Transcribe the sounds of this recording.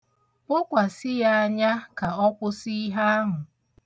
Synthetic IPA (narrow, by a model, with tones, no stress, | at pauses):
ʊ˦kʷa˨sɪ˦ja˦a˦ɲa˦ka˨ɔ˦kʷʊ˦si˦ɦa˦a˦ɦʊ˨